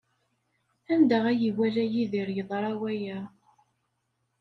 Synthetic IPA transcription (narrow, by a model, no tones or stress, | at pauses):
ænd̪æʁæjiwælæjiðiɾjəðˤɾˤɑwæjæ